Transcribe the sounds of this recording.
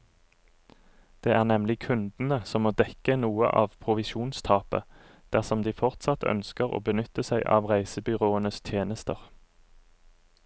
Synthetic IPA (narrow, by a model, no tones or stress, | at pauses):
d̪̥eːæːʁnɛmlɪkʰʉnd̪n̩əsɔmːoːd̪ɛkənuːə̰ʔɑːʋpʰʁʊʋɪʃuːnst̪ʰɑːpə̰ | d̪̥æʁsɔmd̪iːfɔʁt̪sɑt̪ʰœ̰nskəʁo̰ːbənʏt̪əsæɪʔɑ̰ːʋʁæɪsəbʏʁoːənəst̪ʰjeːnəst̪əʁ